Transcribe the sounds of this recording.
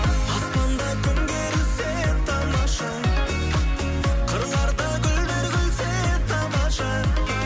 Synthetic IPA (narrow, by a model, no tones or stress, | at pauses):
ɑst̪ɑnd̪ɑkʲʰʏnɡ̪ʲeɾɪset̪ʰɑmɑʃɑ | qʰəɾlˠɑɾd̪ɑkʲʰʏld̪eɾɡʲɪlset̪ʰɑmɑʃɑ